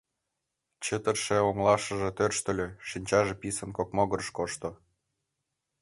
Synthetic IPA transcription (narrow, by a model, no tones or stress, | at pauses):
t͡ɕət̪ərʃeoŋlɑʃə̆ʒĕt̪ørʃt̪ə̆lʲøʃinʲt͡ɕɑʒĕpisə̆nkokmoɣɤɾʃkoʃt̪o